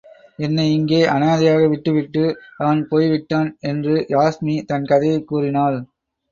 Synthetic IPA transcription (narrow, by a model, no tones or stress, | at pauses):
ɛnːɐɪŋɡeːʔɐnaːðɪjaːɣɐʋɪʈːɯʋɪʈːɯɐʋɐnpoːjʋɪʈːaːnɛndrɯjaːsmit̪ɐnkɐðɐjɐkːuːrɪnaːl